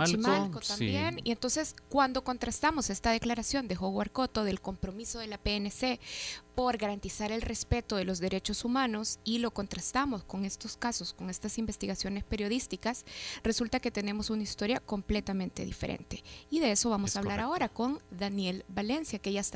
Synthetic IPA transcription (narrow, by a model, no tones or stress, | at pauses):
malkot̪ambjenḭe̞nt̪o̞nse̞skwand̪o̞ko̞nt̪ɾast̪amo̞se̞st̪aðe̞klaɾasjo̞nd̪e̞xoɣwa̰ɾko̞t̪o̞ðe̞lko̞mpɾo̞miso̞ðe̞lapeenese̞po̞ɾɣaɾant̪isaɾe̞lre̞spe̞t̪o̞ðe̞lo̞zðe̞ɾe̞t͡ʃo̞sumãno̞silo̞ko̞nt̪ɾast̪amo̞sko̞ŋe̞st̪o̞skaso̞sko̞ŋe̞st̪asimbe̞st̪iɣasjo̞ne̞spe̞ɾjo̞ðist̪ikasre̞sult̪ake̞t̪e̞ne̞mo̞sunaist̪o̞ɾjako̞mple̞t̪amẽ̞nt̪e̞̰ðḭfe̞̰ɾʔḛnt̪e̞iðe̞e̞so̞βamo̞saβllaɾao̞ɾako̞nd̪anje̞lbale̞nsjakejas